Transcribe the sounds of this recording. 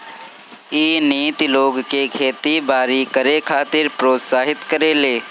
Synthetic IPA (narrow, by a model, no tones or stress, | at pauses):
iːniːt̪loːɡkekʰeːt̪ibaːɾikəɾekʰaːt̪ɪɾpɾoːt̪saːɦɪt̪kəɾeːleː